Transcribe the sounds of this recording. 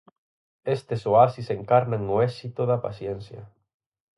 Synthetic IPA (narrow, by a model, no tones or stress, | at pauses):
est̪esoasiseŋkaɾnaŋːoesit̪oðapa̰θjenθja̰